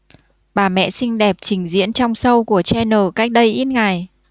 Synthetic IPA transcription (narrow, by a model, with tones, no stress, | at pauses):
ɓaː˨˩mɛ̰˧˨sï˧ŋ̟ɗɛ˨˩p̚t͡ɕï˨˩ŋ̟zḭ˧˥ənt͡ɕɔ˧wŋ͡msə˧wku˧˩ət͡ɕɛ˧nəː˨˩ka˦˥jk̟̚ɗə˧jʔi˦˥t̚ŋa˨˩j